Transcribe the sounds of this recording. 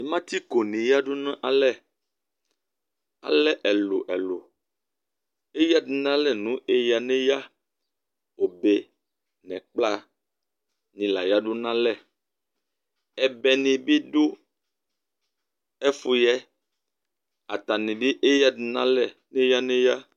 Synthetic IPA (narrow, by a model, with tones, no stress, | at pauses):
ni˨mã˦t̪i˦ko˨nĩ˨ja˦ɖo˦nã˦ʔa˨lɛ˦ | a̰˨lɛ˦ʔɛ˨lo̰˨ʔɛ˨lo˨ | e˦ja˦di˨nã˦lɛ˦nũ˦ʔe˦ja˨nẽ˦ja˦ | wo˨be˦ | nɛ̃˨k͡pla˦ | nĩ˨la˨ja˦ɖo˦nã˦lɛ˨ | ɛ˨bɛ˨nĩ˨bi˦ɖo˦ | ɛ˦fo˦jɛ˦ | a̰˨t̪a˨nĩ˨bi˦ʔe˦ja˦di˨nã˦lɛ˨nẽ˦ja˦nẽ˦ja˦